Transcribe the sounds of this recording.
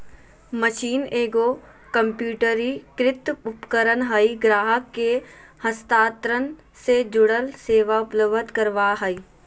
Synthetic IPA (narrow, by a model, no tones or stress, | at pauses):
məʃiːneːɡoː | kə̃mpjuːʈəɾikɾɪt̪ʊpkəɾənɦəiɡɾaːɦəkːehəst̪aːt̪ɾən | sed͡ʒʊɽəlseːʋaʊpləʋət̪kəɾʋaːɦəi